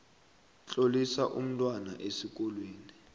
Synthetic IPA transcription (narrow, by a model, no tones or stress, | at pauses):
t͡ɬʼolisaʔum̩tʼwanaʔesik̬ʼɔlwiːni